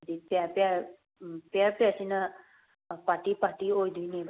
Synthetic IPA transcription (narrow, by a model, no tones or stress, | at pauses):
d̪ipapa | papasina | paʈ̪ipaʈ̪iojd̪inib